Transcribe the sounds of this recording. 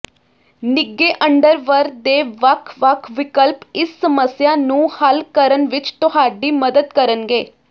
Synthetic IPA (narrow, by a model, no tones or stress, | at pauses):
nɪɡːeːʔəɳɖəɾʋəɾd̪eːʋəkʰʋəkʰʋɪkəlpɪsːəməsjaːnũːhəlkəɾənʋɪt͡ʃt̪ʊɦaːɖiːməd̪əd̪kəɾənɡeː